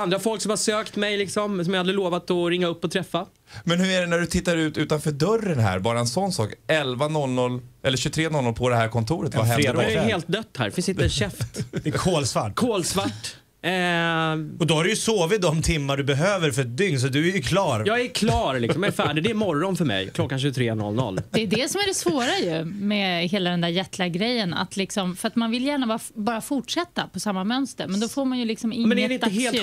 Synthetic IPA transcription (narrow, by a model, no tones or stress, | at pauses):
and̪ɾafɔlksɔmhasøːkt̪mɛjlɪksɔmsɔmjahald̪ɾɪloːvat̪ɔɾɪŋːaɵpːɔt̪ʰɾɛfːa | mɛnhɵɾæɖɛnæɖɵt̪ʰɪt̪ːaɾʉ̟ːt̪ʉ̟ːt̪anfœɖœrːənɦæ̰ɾbɑːɾaɛnsɔnːsɑ̰ːkɛlvanɔlnɔlːʔɛlːɕɵt̪ʰɾeːnɔlɔlpʰɔd̪ɛhæɾkʰɔnt̪ʰuːɾət̪vaɛɾeːd̪heːlt̪̚d̪œt̪ːhæ̰ɾɛfɪnsɪnt̪əɛɕɛft̪dɛkʰoːlsvaʈːkʰoːlsvaʈː | ɔd̪ɔhaɾɵjɵsoːvɪt̪̚d̪ɔmt̪ʰɪmːaɖɵbɛɦøːvəɾfœɾɛt̪̚d̪ʏŋns̬ɔd̪ɵæjkʰlɑːɾjɑːɡæɾkʰlɑːɾlɪkssɔmjɑɛɾfæːɖɪd̪ɛmɔɾɔnfœɾmɛ̰jkʰlɔkːanɕʉːɡt̪ʰɾeːnɔ̰lnɔ̰lːd̪̥ɛːɖɛsɔmæɖɛsvoːɾajɵmɛɦeːlad̪ɛnd̪æːɾjɛt̪lɪaɡɾɛjːəna̰t̪lɪksɔmfœɾat̪manvɪljæːɳabɑːɾbɑːɾafʊʈʂɛt̪ːapʰɔsamːamœnst̪əɾmɛnd̪ɔfoːɾmanjɵlɪksɔmɪmŋɛnːɛədɛɪnəheːl